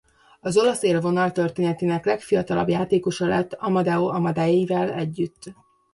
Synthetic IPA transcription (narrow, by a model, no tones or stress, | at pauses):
ɒzo̞lɒseːlvo̞nɒlt̪ø̞rt̪eːnɛt̪eːnɛklɛkfijɒt̪ɒlɒ̰bjaːt̪eːko̞ʃɒlɛ̰t̪ːɒmɒd̪ɛoɒmɒd̪ajeivɛlɛɟːyt̪ː